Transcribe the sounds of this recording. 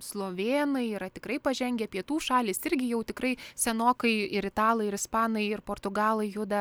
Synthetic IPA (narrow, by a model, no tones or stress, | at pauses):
slˠoːʋʲeːnɐɪiːɾɐt̪ʲɪkɾɐɪpɐʒʲɛŋʲɡʲɛpʲiɛt̪uːʃɑːlʲiːsɪɾʲɡʲɪjɛʊt̪ʲɪkɾɐɪsʲɛnoːkɐɪɪɾɪt̪ɑːlˠɐɪɪɾɪspɑːnɐɪɪrpoːrt̪ʊɡɑːlˠɐɪjʊd̪ɐ